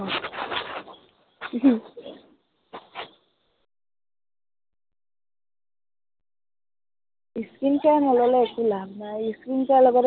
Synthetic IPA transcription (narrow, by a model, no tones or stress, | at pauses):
iskinkanɔlɔlaekulaɡnajiskinkalɔɡɔɾ